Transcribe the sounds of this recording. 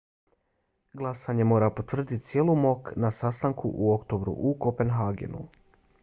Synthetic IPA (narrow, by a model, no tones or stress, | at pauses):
ɡlˠasaɲe̞mo̞ːɾapo̞t̪ʋr̩d̪it̪t̪sjelˠumo̞knasast̪aŋkṵʔuo̞kt̪o̞bɾṵʔuko̞pe̞nɦaːɡḛnṵ